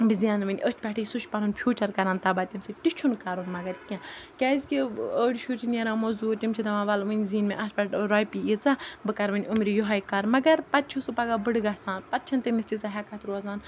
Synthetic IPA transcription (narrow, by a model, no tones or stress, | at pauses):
bizaːnmɐnʲʔət͡ʃʰpʲaʈʰijsut͡ʃpanuːnpʰʲjuːt͡ʃɐɾkɐɾaːnt̪abat̪ʲimsɨʈit͡ʃʰunkaɾunmɐɡɐɾkʲãkʲaːzʲkʲiəːɽiʃuɾt͡ʃʰinʲeɾãːmozuːtʲimt͡ʃʰid̪ɐʋãːʋaːlʋɨnʲziːnmeʔɐspʲɐʈɾaːjpiit͡sabɨkɐɾʋɐnʲumɾʲijɔɦɐjkaɾmɐɡɐɾpɐt̪̚t͡ʃʰusupaɡabɨɽɡasaːnpɐt̪̚t͡ʃʰɐnt̪emist̪ʲit͡saɦɛkʰat̪ɾuɐzaːn